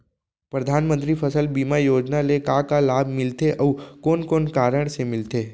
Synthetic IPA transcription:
pɾɐd̪ʱaːnmə̃nt̪ɾipʰəsəlbiːmajoːd͡ʒnalekakalaːbʱmɪlt̪eʔɔːkoːnkoːnkaːɾəɽ̃semɪlt̪eː

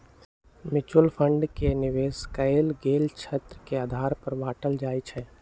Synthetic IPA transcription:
mɪt͡ʃʊəlpʰə̃ɳɖkenɪʋeːskəelɡeːlt͡ʃʰət̪ɾəkeaːd̪ʱaːɾpəɾbaːʈəld͡ʒaːit͡ʃʰɛ

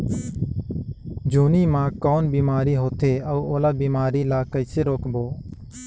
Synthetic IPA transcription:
d͡ʒuːniːmãːkɔːnbiːmaːɾiɦoːt̪ʰeːɐuoːlaːbiːmaːɾilaːkəɪseɾoːkboː

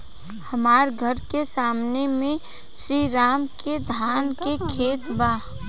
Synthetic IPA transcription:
həmaːɾɡʱəɾkesaːmnemẽ | ʃɾiːɾaːmked̪ʱaːnkekʰeːt̪baː

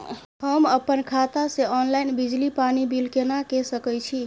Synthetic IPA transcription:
həməpənkʰat̪aseɔnlajnbid͡ʒlipanibilkenakesəkəjt͡ʃʰi

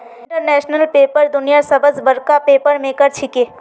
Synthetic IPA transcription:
ɪ̃ɳʈəɾnɛːʃnəlpeːpəɾd̪ʊnijasɐbəzbəɾkapeːpəɾmẽkəɾt͡ʃʰɪkeː

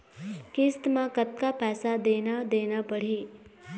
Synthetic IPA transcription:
kɪst̪mãkət̪̚kapɛːsad̪eːnad̪eːnapəɽ̤iː

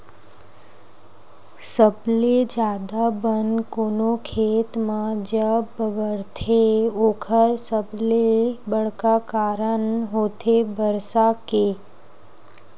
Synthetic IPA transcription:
səbled͡ʒaːd̪abənkoːnokʰet̪mãd͡ʒəbəɡəɾt̪ʰeoːkʰəɾsəblebəɭ̤kakaɾəɳɦot̪ʰebəɾsake

